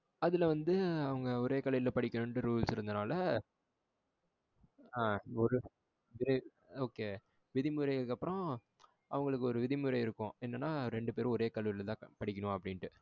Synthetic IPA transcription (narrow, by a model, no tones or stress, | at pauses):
ɐðɪlɐʋɐnd̪ɯɐʋɐŋɡɐɔɾeːkɐlɐjɪlɐpɐɽɪkʲːɐnʊɳʈːɯɾuːlsɪɾɯnd̪ɐnaːlɐ | aːɔɾɯ | ʋɪðɐ | oːkeː | ʋɪðɪmɯɾɐɪɣɐɭkːɐpːɯɾɔ̃ | ʔɐʋɐŋɡɐɭɯkːɯɔɾɯʋɪðɪmɯɾɐɪɪɾɯkːʊ̃ɛnːɐnːaːɾɛɳɖɯpeːɾ̃ɔɾeːkɐlɐɪlt̪ãːpɐɽɪk̬ʲːɐnʊ̃ɐpːɐɽɪnʈɯ